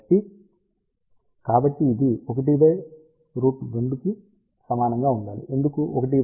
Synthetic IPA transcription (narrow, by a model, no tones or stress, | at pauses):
ʈːi | kaːbɐʈːiːd̪iok̬ɐʈ̬ibɐj | ɾuːʈʋeɳbuki | sɐmaːnɐŋɡaːuɳɖaːlḭʔe̞nd̪ukuʔɔkɐʈ̬i